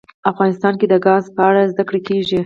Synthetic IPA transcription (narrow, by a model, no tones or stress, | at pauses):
afɣɑnɪst̪ɑnked̪əɡɑzpəaɽazd̪akɽekeʒi